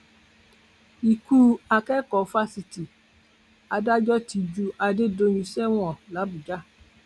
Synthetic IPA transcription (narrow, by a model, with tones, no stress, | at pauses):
i˨ku˦a˧kɛ˦kɔ˨fa˧si˨ti˨ | a˧da˦d͡ʒɔ˦ti˨˧d͡ʒu˧ʔa˧de˦do˧˦ɲũ˧sɛ˦w̃ɔ̃˨la˨˦bu˨d͡ʒa˦